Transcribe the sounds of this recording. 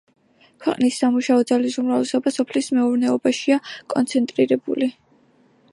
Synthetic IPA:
kʰwɛqʼnisːamuʃaɔd̪zalisumɾavlɛsɔbasɔpʰlismɛuɾnɛɔbaʃiakʼɔnt̪sʰɛnt̪ʼɾiɾɛbuli

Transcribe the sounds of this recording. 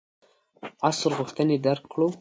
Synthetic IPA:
asəɾɣuxt̪əned̪aɾkːɽo

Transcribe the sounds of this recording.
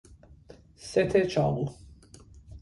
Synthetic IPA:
sɛt̪ʰɛt͡ʃʰa̰wu

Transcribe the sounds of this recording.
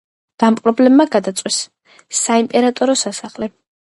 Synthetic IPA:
ɡ̪̥ampʼɾɔblɛbːaɡad̪at̪sʼwisː | aimpʼɛɾat̪ʼɔɾɔsasaχlɛ

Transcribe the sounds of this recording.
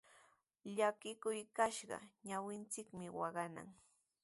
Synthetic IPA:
ʎakɪkʊjkaʃɢɑ̰ɲawɪnt͡sɪkmɪwɑɢɑna̰ŋ

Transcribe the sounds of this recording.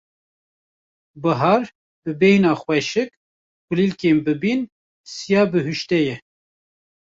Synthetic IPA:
bɨɦɑːɾ | b̥ɨbɛjnɑːxwɛʃɨk̚ | kʷulilkeːmbɨbin | sijɑːbɨɦuʃt̪ɛjɛ

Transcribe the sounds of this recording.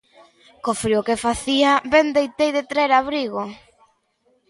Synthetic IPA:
kofɾiokefaθiabend̪ejt̪ejðɪt̪ɾɛeɾaβɾiɣo

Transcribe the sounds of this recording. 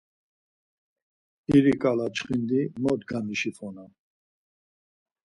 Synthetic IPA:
iɾikʼalat͡ʃχind̪imɔd̪ɡamiʃifʰɔna

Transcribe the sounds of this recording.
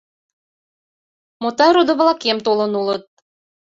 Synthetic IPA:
mot̪ɑɾod̪ŏβlɑkemt̪olɤ̆nulɤt̪̚

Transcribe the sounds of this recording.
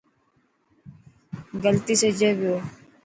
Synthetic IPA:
ɡəlt̪iːsed͡ʒebjoː

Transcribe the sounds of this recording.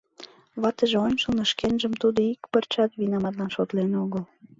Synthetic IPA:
βɑt̪əʒeonʲʃəlnə̆ʃkenʒəmt̪ud̪oikpərt͡ɕɑt̪βinɑmɑt̪lɑnʃot̪lenoɣəl

